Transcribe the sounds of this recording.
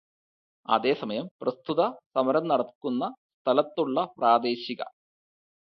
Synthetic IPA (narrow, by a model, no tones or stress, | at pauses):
ɐ̰ðe̞ːsɐmɐjɐmprɐst̪ʰuðɐsɐmɐɾɐmnɐɽɐkːunːɐst̪ʰɐlɐt̪ːuɭːɐpraːd̪e̞ːɕiɣɐ̰